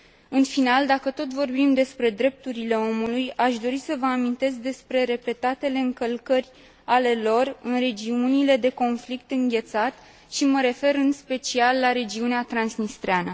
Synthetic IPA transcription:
ɨnfinald̪akət̪o̞t̪vo̞rbimd̪e̞spɾe̞d̪ɾe̞p̚t̪uɾile̞o̞mulujaʃd̪o̞ɾisəvəamint̪e̞sk̚d̪e̞spɾe̞ɾe̞pe̞t̪at̪e̞le̞ɨŋkəlkərʲ | ale̞lo̞rɨnre̞d͡ʒiunile̞d̪e̞ko̞nflik̚t̪ɨŋɡʲe̞t̪sat̪ | ʃiməɾe̞fe̞ɾɨnspe̞t͡ʃialːaɾe̞d͡ʒiuneat̪ɾansnist̪ɾeanə

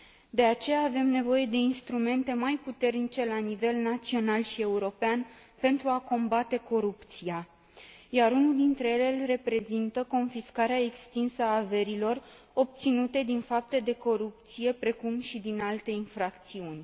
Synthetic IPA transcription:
d̪e̞at͡ʃe̞jaːve̞mne̞vo̞je̞d̪e̞inst̪ɾume̞nt̪e̞majput̪e̞rnit͡ʃe̞lanive̞lnat̪sio̞nalʃie̞uɾo̞pean | pe̞nt̪ɾuako̞mbat̪e̞ko̞ɾupt̪sija | jaɾunuld̪int̪ɾe̞jele̞lre̞pɾe̞zint̪əko̞nfiskaɾeaekst̪insəaːve̞ɾilo̞r | o̞p̚t̪sinut̪e̞d̪infap̚t̪e̞d̪e̞ko̞ɾup̚t̪sije̞pɾe̞kumʃid̪inalt̪e̞infɾakt̪siunʲ

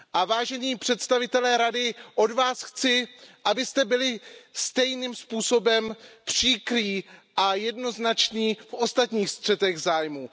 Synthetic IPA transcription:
ʔavaːʒɛɲiːpr̥ɛt̪st̪avɪt̪ɛlɛːɾadɪʔo̞dvaːsxt͡sɪʔabɪst̪ɛbɪlɪst̪ɛjnimspuːso̞bɛmpr̝̥iːkɾiːʔajɛdno̞znat͡ʃniːfʔo̞st̪at̪ɲiːxst̪r̝̥ɛt̪ɛɣzaːjmuː

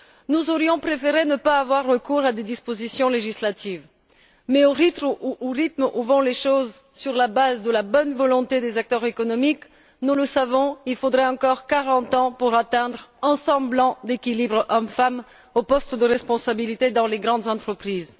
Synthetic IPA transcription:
nuzɔʁjɔ̃pχefeʁenəpaːvwaʁːəkuʁad̪ed̪ispozisjɔ̃leʒislat̪iv | mɛoʁit̪muʔoʁit̪muvɔ̃leʃoz | syʁlabazd̪əlabɔnvɔlɔ̃t̪ed̪ezak̚t̪œʁzekɔnɔmik | nuləsavɔ̃ilfod̪ʁɛɑ̃kɔʁkaʁɑ̃t̪ɑ̃puʁat̪ɛ̃d̪ʁɑ̃sɑ̃blɑ̃d̪ekʲilibʁɔmfam | opɔst̪d̪əʁɛspɔ̃sabilit̪ed̪ɑ̃leɡʁɑ̃d̪zɑ̃t̪χəpχiːz

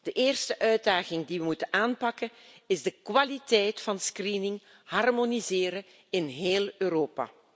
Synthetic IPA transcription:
d̥əʔeːrstəʔœɥd̚daːɣɪŋdiʋəmutənaːnpɑkənɪzdəkʋalitɛjtfɑnskrinɪŋ | hɑrmonizɪːɾə | ɪnɦeːlˠøːɾoːpa̰ː

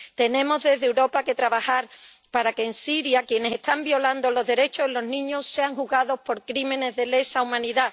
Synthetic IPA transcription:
t̪e̞nẽ̞mo̞zðe̞zðewɾo̞pake̞t̪ɾaβaxaɾpaɾake̞ːnsiɾjakje̞ne̞se̞st̪ambjo̞land̪o̞lo̞zðe̞ɾe̞t͡ʃoilo̞znĩɲo̞sse̞aŋhuɣaðo̞spo̞ɾkɾimẽ̞ne̞zðe̞le̞saumãniða

